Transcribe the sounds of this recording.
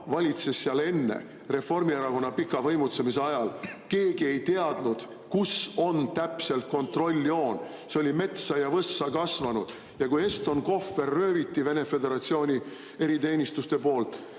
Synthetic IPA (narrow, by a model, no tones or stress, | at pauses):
vɑlʲit̪se̞sːiɑle̞nːe̞̰ | re̞fo̞rmieɾɑko̞nːɑpikːˑɑvɤ̞jmut̪semiseɑjɑlke̞ːɡ̥ie̞jt̪eɑd̪̥nud̪̥ | kuso̞nt̪æpse̞lt̪̚ko̞nt̪ro̞lʲːio̞ːn | seo̞lʲime̞t̪sɑjɑvɤsːɑkɑsvɑnud̪̥ | jɑkuje̞st̪o̞nko̞fːe̞rːø̞ːvit̪ːive̞ne̞fe̞d̪e̞ɾɑt̪sio̞ːnʲi | e̞ɾit̪e̞ːnʲist̪ust̪e̞po̞ːlt̪ˑ